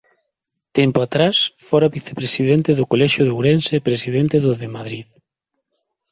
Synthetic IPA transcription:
t̪ɛmpʊat̪ɾasfɔɾaβiθe̥pɾesiðent̪ɪðʊkolɛʃjʊðowɾensepɾesiðent̪ɪðʊðemaðɾið

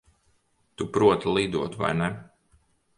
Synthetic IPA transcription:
t̪upɾuɔt̪lˠiːd̪uɔt̪va̰jnɛ

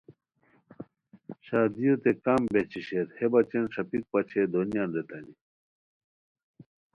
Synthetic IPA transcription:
ɕaːd̪ijot̪ekambet͡ɕʰiɕeɾhebɐt͡ɕenʂɐpik̚pɐt͡ɕʰed̪onijaːnɾet̪ani

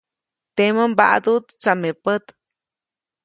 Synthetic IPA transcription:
t̪eməmba̰ʔd̪ut̪t͡samepət̪

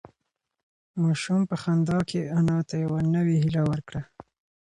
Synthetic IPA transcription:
mɑʃumpəxand̪ɑkʰeanɑt̪ajawanəweɦilawəɾkɽa

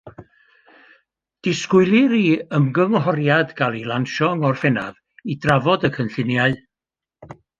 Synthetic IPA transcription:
d̥ɪskʊɨlˠɨɾiəmɡəŋɦɔɾjadɡalˠilˠanʃɔŋɔrfɛnað | idravɔdəkʰənɬɪnjaɨ

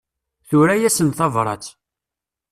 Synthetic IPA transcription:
θʊɾæjæsənθɑvɾˤɑ̰t͡s

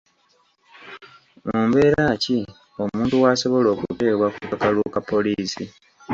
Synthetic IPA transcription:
muːmbe̞ːɾaːci | o̞muːntuwaːso̞βo̞lo̞ːkute̞ːβwakukakalukapːo̞liːsi

